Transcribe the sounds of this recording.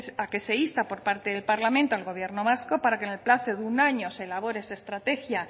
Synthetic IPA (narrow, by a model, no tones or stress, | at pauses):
sake̞se̞ist̪apo̞ɾpaɾt̪e̞ðe̞lpaɾlamẽnt̪oalɣo̞β̞je̞ɾno̞β̞asko̞paɾakenelplaθoðeunaɲo̞se̞laβ̞o̞ɾeesaest̪ɾat̪e̞xja